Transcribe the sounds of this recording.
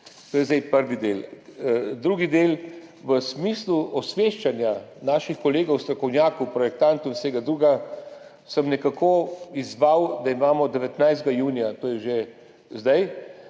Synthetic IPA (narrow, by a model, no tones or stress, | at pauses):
t̪oːjɛzd̪ɛjpəɾʋid̪eːl | d̪ɾuːɡid̪eːlʋəsmiːsluɔsʋeːʃt͡ʃanjanaːʃixkɔleːɡɐwst̪ɾɔkɔwnjaːkupɾɔjɛk̚t̪ant̪uinseːɡad̪ɾuːɡa | səmnɛkakʰoizʋawd̪aimaːmɔd̪ɛʋɛt̪najzd̪̚ɡajuːnijat̪oːjɛʒe | zd̪aj